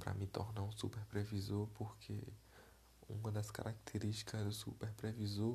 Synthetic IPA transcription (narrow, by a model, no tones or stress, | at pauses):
pɾɐ̰mĩt̪o̰ɾnãũsṵpeɾpɾevizoɾpoɾkʰe | ṵ̃mɐ̃d̪ɐska̰ɾak̚t̪ʰeɾiʃt͡ʃi̥kɐzʊsupeɾpɾevizo